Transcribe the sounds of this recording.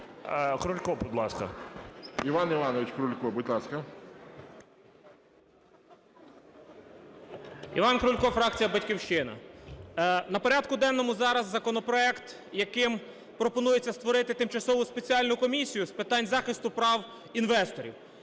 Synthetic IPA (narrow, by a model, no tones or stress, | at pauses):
kɾʊlʲkɔbʊd̪lˠɑskɐ̰ | iʋɑniʋɑnɔʋʲɪt͡ʃkɾʊlʲkɔbʊdʲlˠɑskɐ | ḭʋɑnkɾʊlʲkɔfɾɑkt͡sʲijɐbɐtʲkʲiwʃt͡ʃɪnɐ̰ | nɐpɔɾʲɑd̪kʊd̪ɛnːɔmʊzɑɾɐzːɐkɔnɔpɾɔɛkt̪ | jɐkɪm | pɾɔpɔnujet͡sʲːɐst̪ʋɔɾɪt̪ɪt̪ɪmt͡ʃɐsɔʋʊspet͡sʲiɑlʲnʊkɔmʲisʲijʊspɪt̪ɑnʲzɑxɪst̪ʊpɾɑw | inʋɛst̪ɔɾʲḭw